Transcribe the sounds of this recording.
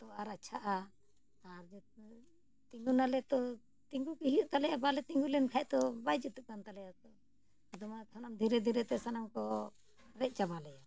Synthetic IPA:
t̪ɔaɾat͡ʃʰaʔa | aɾd͡ʒ | t̪iŋɡunalɛt̪ɔ | t̪iŋɡukiɦijuʔt̪alɛjabalɛt̪iŋɡulɛnkʰaɛʔt̪ɔbajd͡ʒit̪uʔ̚kant̪alɛjat̪ɔ | d̪ɔmakʰanamd̪ʱiɾɛd̪ʱiɾɛt̪ɛsanamkɔ | ɾɛʔ̚ˀt͡ʃabalɛja

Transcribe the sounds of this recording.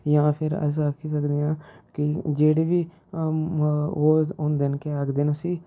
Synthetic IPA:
jãːpʰɪɾə̰s̬aːkʰiːsəkd̪eːãːkɪd͡ʒeːɽeːʋiː | oːʊnd̪ɪnkeaɡd̪eːnõːsiː

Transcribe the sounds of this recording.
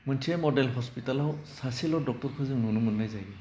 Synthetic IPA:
mɔntʰiɛmɔdɛlɦɔspitalɔwsasilɔdɔk̚tɔɹkʰɔzɛununumunːajzajɡɛ

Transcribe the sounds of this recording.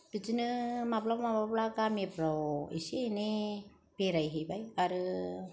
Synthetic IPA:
b̥id͡ʒinɯmablawmabablaɡamipɾawḭsine | peɾajɦibajaɾɯ

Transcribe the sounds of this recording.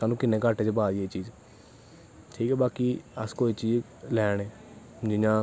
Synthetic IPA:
saːnũːkɪnːẽːkəʈeːt͡ʃebaːdieːt͡ʃiːd͡ʒ | ʈʰiːkɛːbaːkiːəskoːiːt͡ʃiːd͡ʒ | lɛːɳeː | d͡ʒɪjãː

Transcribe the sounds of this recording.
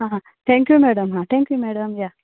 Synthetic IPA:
ɦãːa | t̪ʰẽːŋkjuːmɛːɽɐmɦãːt̪ʰẽːŋkjuːmeːɽɐmja

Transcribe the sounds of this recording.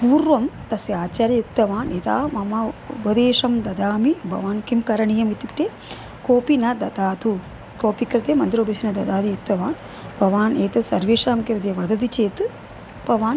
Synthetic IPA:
puːɾʋɐmt̪ɐsjaːt͡ʃaːɾjɐjuk̚t̪ɐʋaːnet̪a̰ːmɐmɐupɐd̪eːʂɐmd̪ɐd̪aːmibʱɐ̰ʋaːnkimkɐɾɐɳijɐmit̪ukʈeː | koːpinɐd̪ɐd̪aːt̪u | koːpikɾɐt̪eːmɐnd̪iɾoːbɐsinɐd̪ɐd̪aːt̪ijuk̚t̪ɐʋaːn | bʱɐʋaːneːt̪ɐsɐɾʋeːʂɾaːmkiɾd̪eːʋɐd̪ɐd̪it͡ʃeːt̪ɨ | bʱɐʋaːn

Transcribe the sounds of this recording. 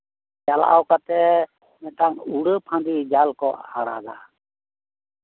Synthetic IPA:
d͡ʒala̰ʔa̰wkat̪ɛ | mɛt̪aŋuɽəpʰãnd̪id͡ʒalkɔhaɽa̰ɡ̪a̰

